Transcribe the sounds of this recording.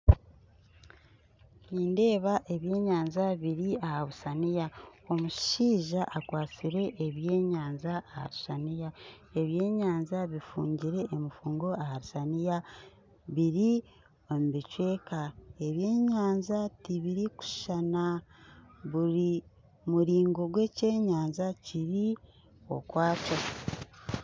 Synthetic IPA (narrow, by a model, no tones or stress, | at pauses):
niːnde̞ːβaʔe̞βje̞ːɲaːnzaβiɾiahaβusanijao̞muʃʃʃiːʒaʔːkwaːt͡siɾe̞ʔːβje̞ːɲaːnzaːha̰ɾusanija | e̞βje̞ːɲaːnzaβifuːɲɟiɾe̞ʔːmufuːŋɡo̞ahaɾusanija | βiɾi | omubicwe̞ːkae̞βje̞ːɲaːnzatiβiɾiku̥ʃana | βuɾi | muɾiːŋɡo̞ɡwe̞ːce̞ːɲaːnzaciɾi | o̞̰kwaːt͡ʃo